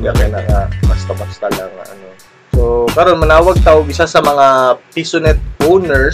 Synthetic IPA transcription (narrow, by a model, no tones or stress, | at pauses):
ɡɐkɛnɐŋabɐst̪ɐbɐst̪ɐlaŋɐ̰ʔɐ̰no̞ | sokɐɾo̞nmɐnaːwɐɡ̚t̪aːwoɡʔɪsasɐmɐŋapisʊnɛt̪̚ʔownɛɹ